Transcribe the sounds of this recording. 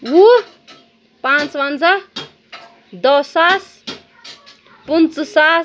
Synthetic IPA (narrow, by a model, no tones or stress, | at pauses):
wu | pãt͡swand͡za | d̪ʌsas | punt͡ssa